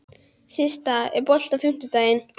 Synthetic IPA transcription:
sist̪aɛpɔl̥t̪afʏm̥t̪ɪt̪ajɪn

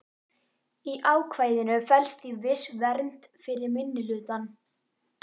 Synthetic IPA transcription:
iʔaːwkʰvaːjðɪnʏfɛlst̪ivɪsvɛɾn̥t̪ | fɪɾɪɾmɪnːɪlʏːt̪an

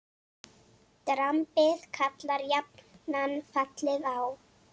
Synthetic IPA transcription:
t̪ɾampɪðkʰat̪laɾjap̚nnanːfat̪lɪɣaw

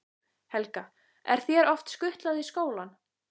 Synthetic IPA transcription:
hɛlka | ɛ̰ɾ̥θjɛɾɔft̪skʏht̪laðiskoːwlan

